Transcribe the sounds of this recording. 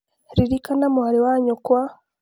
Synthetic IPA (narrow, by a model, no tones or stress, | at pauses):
ɾiɾikanamuaɾiwaɲokwa